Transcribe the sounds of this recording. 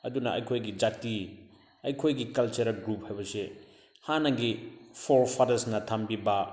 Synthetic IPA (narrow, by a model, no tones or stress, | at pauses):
ɐdunɐʔɐ̰jkʰojɡid͡ʒak̚ti | ɐjkʰojɡikɐlt͡ʃɐɾɐlɡɾup̚hajbɐse | hanɐɡipʰoɾpʰaɾɐsnɐtʰambibɐ